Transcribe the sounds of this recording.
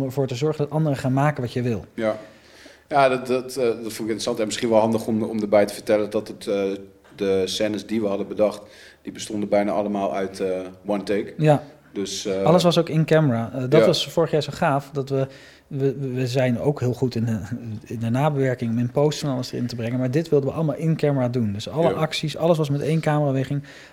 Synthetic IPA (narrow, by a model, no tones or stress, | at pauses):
məɹvoːɹtəzɔɹχəndɑtɑndərəχaːnmaːkənʋɑtjəʋɪlˠj | jadtdɔtfondɪkɪntrəsɑntɛnmɪsχinʋɔlˠɦɑndəχɔmɔ̰mdəɹbɛjtəfətɛlədɔtət | dəsɛːnəsdiʋəhɑdəbədɑχt | d̥ibəstɔndəbɛjna̰ʔɑləmaːlˠœ̰ɥtəwɔnteːkja | døsɑlˠəs̬ʋɑsowkɪnkɛməraːədɑʋɑsfʊːɹəχjaːɹzoχaːfdɑtʋə | ʋəʋəzɛjno̰wkɦɪːlˠχutɪnəɪndənaːbəʋɛɹkɪŋɔmɪnpowsonaːləsdərɪ̰ntəbrɛŋənmaːɹdɪtʋɪlˠdəʋəʔɑləmaːlˠɪnkɛməɹaːdundɵsɑləʔɑksisɑ̰ləs̬ʋɑsmɛtejnkaːməaːʋeχɪŋ